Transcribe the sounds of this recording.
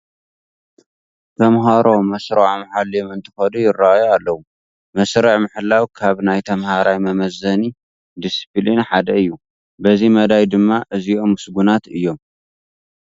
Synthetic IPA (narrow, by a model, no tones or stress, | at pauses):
t̪ʰɐmɦaɾo̞mɐsɾɐʕmaħalijomɨnt̪ʰɨ̥xɐd̪ujɪrːaʔajoalːɐwu | mɐsɾɐʕmɨħɨlːawkʰaβnajt̪ʰɐmhaɾajmɐmɐzɐni | d̪isi̥plinħad̪ɐɨjːu | bɐzimɐd̪ajd̪ɨmːaʔɨzio̞mːɨsɡunat̪ɨjːo̞m